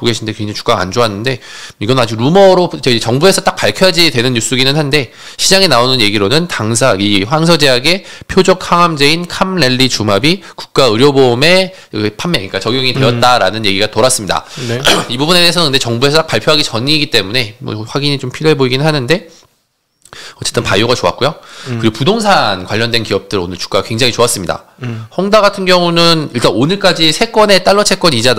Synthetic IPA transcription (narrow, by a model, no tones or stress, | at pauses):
poɡe̞ɕʰinde̞kweŋd͡ʑaŋit͡ɕu̥k͈aa̰nd͡ʑoɦanːɯnde̞ | iɡʌnnad͡ʑik̚ɾumʌɾoet͡ɕʌŋbue̞sʰʌt͈ak̚p͈aɭpkʰjʌɦad͡ʑidwe̞nɯnjus͈uɡinɯnɦande̞ | ɕʰid͡ʑaŋenaonɯnje̞ɡiɾonɯntaŋs̬ʰaɡiɸwaŋsʰʌd͡ʑe̞aɡe̞pʰjod͡ʑʌk̚haŋɦamd͡ʑe̞inkʰamle̞ʎːit͡ɕumabiku̥k̚k͈aɯɾjʌbome̞ | pʰamːeŋik͈at͡ɕʌɡjʌŋide̞ʌt̚t͈aɾa̰nɯnje̞ɡiɡatoɾas͈ɯmɲida̰nibubune̞deːsʰʌɯndet͡ɕʌŋbue̞sʰʌt͈akpaɭpʰjoɦaɡit͡ɕʌɲiːɡit͈e̞mune̞mwʌ̰ɸwaɡiɲit͡ɕompʰiɾjoɦe̞boiɡinɯɭɦanɯnde̞ | ʌt͡ɕ͈e̞t͈ɯnpajoɡat͡ɕoa̰k̚k͈ujokɯɾiɡopudoŋsʰankwaʎːʌndwe̞nkiʌp̚t͈ɯɾɯo̰nɯɭt͡ɕu̥k͈akwe̞ŋd͡ʑaŋit͡ɕoas͈ɯmɲida̰ | hʌŋdaɣatʰɯnɡjʌŋunɯniɭt͈anonɯɭk͈ad͡ʑisʰe̞k͈wʌne̞t͈aɭːʌt͡ɕʰe̞k͈wʌnid͡ʑad